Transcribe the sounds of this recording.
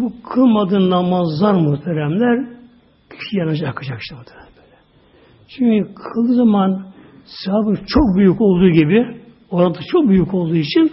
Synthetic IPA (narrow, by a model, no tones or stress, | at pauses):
bukʰɯlˠmad̪ɯːnnamazlˠaɾmuht̪ʰæɾæmlʲæɾ | cʰy̥ʃijanaʃakʰad͡ʒakʃt̪ɯmuht̪ʰæɾæmlʲæɾʲæɾ | t͡ʃʰyɲcykʰɯlˠd̪ɯzaman | saaːbɯɾt͡ʃʰo̞k̚byjyco̞lˠd̪uːɟibi | o̞ɾat̪ʰat͡ʃʰo̞k̚byjyko̞lˠd̪uːit͡ʃʰin